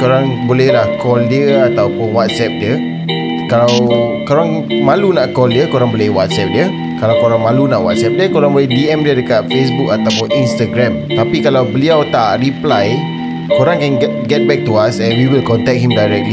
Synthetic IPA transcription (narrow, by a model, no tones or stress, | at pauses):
koɾãŋbolɛhlahkɔldiəat̪awpʊnwat̪̚sɛp̚diə | kalawkoɾãŋmãlunaʔkɔldiəkoɾãŋbolɛhwat̪̚sɛp̚diə | kalawkoɾaŋmãlunaʔwa̰t̪̚sɛp̚diəkoɾãŋbolɛhdiɛ̃mdiədəkat̪̚fes̬buk̚at̪awpʊninst̪aɡɾɛ̃mt̪apikalawbəliawt̪aʔɹiplaj | koɾãŋkɛ̃nɡ | ɡɛt̪̚bɛk̚t̪uasɛ̃nwiwilkɔnt̪ɛk̚ɦimdajɾɛk̚tli